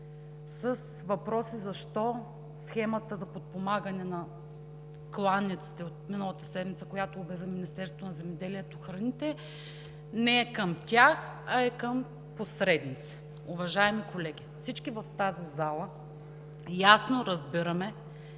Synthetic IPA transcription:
səs | vɐpɾɔsizɐʃt̪ɔ | sxɛmɐt̪əzɐpot̪̚pomaɡənɛnɐ | klˠanːit̪si̥t̪ɛot̪̚minəlˠɐt̪əsɛd̪mit̪səkojat̪oːbjɐviminist̪ɛɾst̪t̪onɐzɛmɛd̪ɛliɛt̪oxɾɐnit̪ɛ | nɛɛkəmt̪ʲaxɐɛkəm | posɾɛd̪nit̪sɛ̥ | ʊvɐʒaɛmikolɛɡʲifsit͡ʃkivɐft̪azizalˠə | jasnoɾɐzbiɾəmɛ

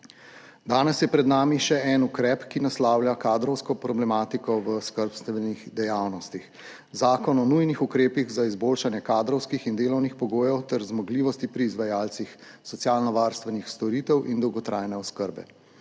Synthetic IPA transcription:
d̪aːnɛsjɛpɾɛd̪naːmiʃɛɛnukɾɛpkinaslaːwljakaːd̪ɾɔwskɔpɾɔblɛmaːt̪ikɔʋəskəɾpst̪ʋɛniɣd̪ɛjaːwnɔst̪ix | zaːkɔnɔnujnixukɾeːpiɣzaizboːlʃanjɛkaːd̪ɾɔwskixind̪eːlɔwnixpɔɡoːjɛwt̪ɛɾzmɔɡliːʋɔst̪ipɾiːzʋajaːlt̪sixsɔt̪sjaːlnɔʋaːɾst̪ʋɛnixst̪ɔɾit̪ɛwʔind̪ɔwɡɔt̪ɾʔaːjnɛɔskəɾbɛ̰

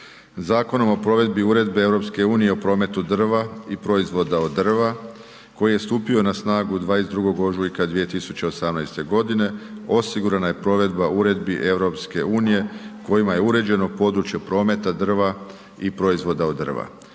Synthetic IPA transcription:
zaːko̞no̞mo̞pɾo̞ʋe̞d̪biuːɾe̞d̪beeʋɾo̞pske̞uːnije̞opɾo̞ːme̞t̪ud̪r̩ʋaipɾo̞izʋo̞d̪aod̪ːr̩ʋa | ko̞jijest̪uːpio̞nasnaːɡud̪ʋaːesd̪ɾuɡo̞ɡo̞ʒuikad̪ʋije̞t̪isu̥t͡ɕeo̞samnajst̪e̞ɡo̞d̪ine̞ | o̞siɡuɾanaje̞pɾo̞ʋe̞d̪bauɾe̞d̪biʔe̞ʋɾo̞pske̞uːnije̞ko̞jimaje̞uɾe̞d͡ʑe̞nopo̞d̪ɾut͡ʃjepɾo̞ːme̞t̪ad̪r̩ʋa | ipɾo̞izʋo̞d̪aod̪ːr̩ʋa̰

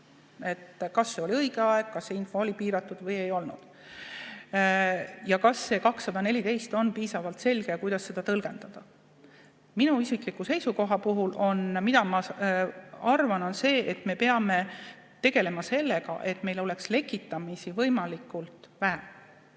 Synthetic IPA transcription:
e̞t̪ːkɑsːe̞o̞liɤiɡe̞ɑe̞ɡ̥̚kɑsːe̞info̞olipiːɾɑt̪ːˑud̪̥vɤje̞jo̞lnṵd̪̥ | jɑkɑsːe̞kɑksːɑd̪ɑne̞lʲit̪e̞jst̪o̞npiːsɑvɑlt̪se̞lɡ̥e̞kujd̪̥ɑsːe̞d̪̥ɑt̪ɤlɡ̥e̞nd̪̥ɑd̪̥ɑ | minuisiklikːˑuse̞jsuko̞ɦɑpuɦulʔo̞nmid̪̥ɑmɑ | ɑrvɑno̞nse̞ːʔet̪me̞pe̞ɑme̞ | t̪e̞ɡ̥e̞le̞mɑse̞lːe̞ɡɑ̰ʔe̞t̪ˑme̞jlo̞le̞ksle̞kːˑit̪ːˑɑmisivɤjmɑlikːˑult̪ˑvæɦæ

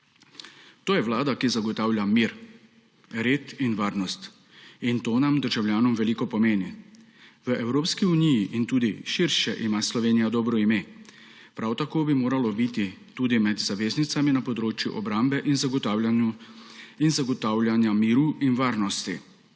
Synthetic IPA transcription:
t̪oːjɛʋlaːd̪akizaɡɔt̪aːwlʲjamiɾ | ɾeːt̪inʋaːɾnɔst̪ | int̪oːnamd̪əɾʒawljaːnɔmʋɛliːkɔpɔmeːni | ʋəʔɛwɾoːpskiunijiʔint̪uːd̪iʃiɾʃɛʔimaslɔʋeːnijad̪ɔːbɾɔimeː | pɾawt̪akoːbimoːɾalɔbit̪it̪uːd̪imɛd̪zaʋeːznit̪saminapɔd̪ɾoːt͡ʃjṵʔɔbɾambɛʔinzaɡɔt̪aːwlʲjanju | inzaɡɔt̪aːwlʲjanjamiːɾuʔinʋaːɾnɔst̪i

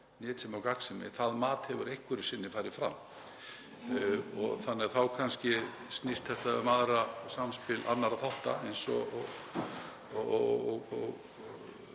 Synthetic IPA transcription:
nɛːt̪sɛmawkat̪sɪmɪ̰θaðmaːt̪hɛvʏɾejhkvʏɾɪsɪnːɪfaːjɾɪfɾa̰m | ɔ̰ɣθanːɛɣaθawkʰanscɪ | sk̪nist̪θɛht̪aʏmaðɾasamspɪlʔa̰nːaɾaθawht̪aejnsɔ̰ɔɣ | ɔɣ

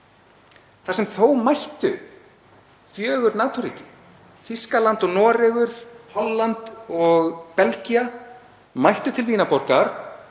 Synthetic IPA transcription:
θasɛmθowmajht̪ʏ | fjœːɣʏɾnaːt̪ɔɾḭːcɪ | fiskalant̪ɔɣnɔːɾɛɣʏɾ̥hɔlːant̪ɔɣpɛlcia | majht̪ʏt̪ʰɪlviːnapɔr̥kaɾ̥

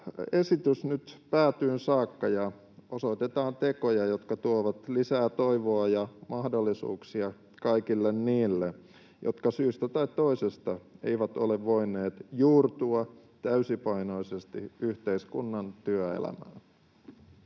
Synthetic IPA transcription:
esit̪ysnyt̪pæːt̪yːnsɑːkːɑjɑ | oso̞it̪et̪ɑːnt̪ekojɑjot̪kɑt̪uoʋɑt̪lisæːt̪oiʋoɑjɑmɑhdolːisṵːksiɑ | kɑikilːenniːlːe | jo̰t̪kɑsyːst̪æt̪ɑit̪t̪o̞isest̪ɑḛiʋæt̪oleʋʋoinːˑeːt̪juːrt̪uɑ | t̪æysipɑinoisest̪iyht̪eiskunːɑnt̪yøḛlæ̰mæ̰ːn

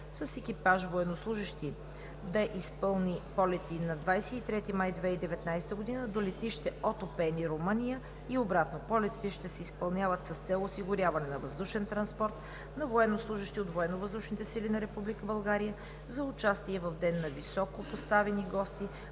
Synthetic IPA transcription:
sɐsɛkipaʃvoɛnoslˠuʒəʃt̪i | d̪ɐʔispɤlˠnipɔlɛt̪inɐd̪vajsɛit̪ɾɛt̪imajd̪vɛid̪ɛvɛt̪najsɛ̥t̪əɡod̪inəd̪olɛt̪iʃt̪ɛot̪opɛniɾomənijə | iobɾat̪nopɔlɛt̪i̥t̪ɛʃt̪ɛsɛispɐlˠnʲjavət̪səst̪sɛlˠosiɡʊɾjavɐnɛnɐvɐzd̪uʃɛnt̪ɾɐnspɔɾt̪ | nɐvoɛnːoslˠuʒəʃt̪iot̪voɛnːovəzd̪uʃnit̪ɛsilinɐɾɛpublikəbɐlˠɡaɾijə | zɐʊt͡ʃast̪iɛvɐvd̪ɛnːɐvisɔkopost̪avɛniɡɔst̪i

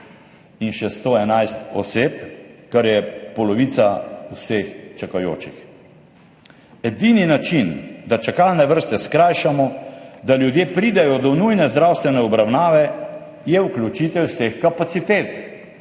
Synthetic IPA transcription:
inʃɛst̪oɛnajst̪ɔ̰seːpkaɾjɛpɔlɔʋiːt̪sausext͡ʃakajo̰ːt͡ʃix | ɛd̪ininat͡ʃind̪at͡ʃakalnɛʋəɾst̪ɛskɾajʃamɔd̪aljud̪jeːpɾid̪ɛjɔd̪ɔnujnɛzd̪ɾawst̪ʋɛnɛɔbɾawnaːʋɛ | jɛuklʲut͡ʃit̪ɛwwsexkapat̪sit̪eːt̪

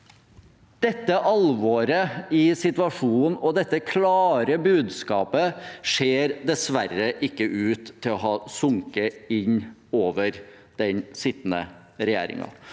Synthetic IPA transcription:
d̪̥ɛt̪ːəʔɑlʋɔɾəɪsɪt̪ʋɑʂuːn̩ɔd̪ɛt̪ːəkʰlɑːɾəbʉːd̪skɑːpəʂeːɾd̪ɛsʋærːəʔɪkːəʔʉːt̪ʰːɪlɔɦɑːsʊŋkəɪɲːoːʋəɾ | d̪̥ɛnsɪt̪ːnə̰ | ɾɛjæ̰ːɾɪ̰ŋɑ̰

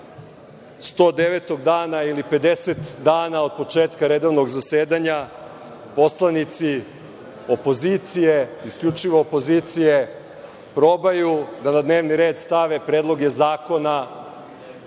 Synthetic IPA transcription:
st̪o̞ːd̪e̞ʋet̪o̞ɡd̪aːnailipe̞d̪e̞set̪d̪aːnao̞d̪̚po̞t͡ʂeːt̪kaɾe̞d̪o̞ʋno̞ɡzaseːd̪aɲa | po̞slˠanit̪si | opo̞zit̪sijeiskʎʲut͡ʂiʋoːpo̞ziːt̪sije̞ | pɾo̞bajud̪anad̪ne̞ːʋniɾe̞ːd̪st̪aʋepɾeːd̪lˠo̞ɡezaːko̞na

